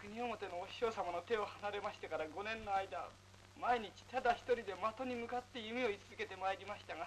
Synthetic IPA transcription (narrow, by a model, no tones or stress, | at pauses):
kɯ̟ɲ̟io̞mo̞t̪e̞noːɕo̞ːsamano̞t̪e̞ohanaɾe̞maɕi̥t̪ekaɾaɡo̞nẽ̞nːoaid̪a | maeɲ̟it͡ɕi̥t̪ad̪açi̥t̪o̞ɾʲid̪e̞mat̪o̞ɲ̟imɯ̟kat̪ːe̞jɯ̟mʲio̞it͡sɨzɨ̥ke̞t̪e̞maeɾʲimaɕi̥t̪aɡa